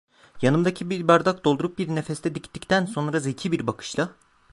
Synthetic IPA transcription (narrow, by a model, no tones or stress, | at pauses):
janɯmd̪acʰibibaɾd̪ak̚d̪o̞lˠd̪uɾup̚biɾnefɛst̪ʰɛd̪ict̪ʰːict̪ʰænso̞nɾazecʰibiɾbakʰɯ̥ʃlˠa